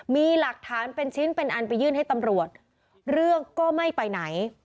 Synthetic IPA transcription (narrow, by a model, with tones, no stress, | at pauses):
miː˧la˨˩k̚t̪ʰaː˩˦npe˧nt͡ɕʰɯ˦˥npe˧nʔa˧npa˧jːɯː˥˩nɦa˥˩jt̪a˧mɾu˨˩ət̪̚ | ɾɯ˥˩əŋkɔː˥˩ma˥˩jpa˧jna˩˦j